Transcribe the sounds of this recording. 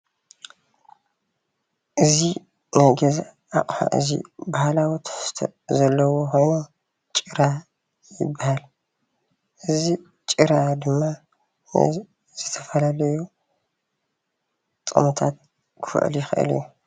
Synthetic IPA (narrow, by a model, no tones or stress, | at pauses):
ʔɨzi | najɡɐza | akʼfa̰ʔɨ̰zḭbahalawit̪ʰɐ̥ħst̪ʰo̰zɐlːɐwoxo̞jno | t͡ʃʼɨɾa | jɪbːahal | ʔɨzi | t͡ʃʼɨɾad̪ɨmːa̰ | z̥ɨt̪ʰɐfɐlalɐju | t̪ʼɨ̰mut̪ʰat̪̚ | kʰɨfɨ̰ʕʔɨ̰ljɪxɨ̰ʔɨ̰lju